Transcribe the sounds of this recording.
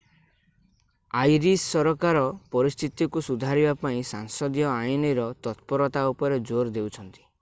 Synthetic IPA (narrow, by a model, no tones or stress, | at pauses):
ajɾisːɔɾɔkaɾɔpɔɾist̪ʰit̪ikusud̪ʱaɾibapaĩsaŋsɔd̪jɔajiniɾɔt̪ɔt̪̚pɔɾɔt̪aupɔɾed͡ʒoɾd̪ewt͡ʃʰɔnt̪i̥